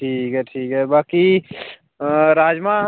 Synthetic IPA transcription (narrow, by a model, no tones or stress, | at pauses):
ʈʰiːkɦɛʈʰiːkɦɛbaki | ɾaːd͡ʒmã